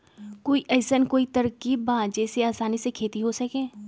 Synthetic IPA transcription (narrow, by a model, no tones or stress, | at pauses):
koːiʔɛːsənkoːit̪ɐɾkiːbbãːd͡ʒɛːseaːsaːnisekʰeːt̪iɦosɐkẽː